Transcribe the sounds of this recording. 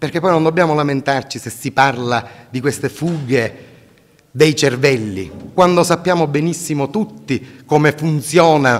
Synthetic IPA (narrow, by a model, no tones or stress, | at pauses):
perk̟epːɔjnõnd̪obːjaːmolament̪art͡ʃisesːiparlad̪ikwest̪efuːɡe | d̪ejt͡ʃervɛlːḭkwand̪osapːjaːmobɛnisːimot̪ut̪ːikomefunt̪sjɔːna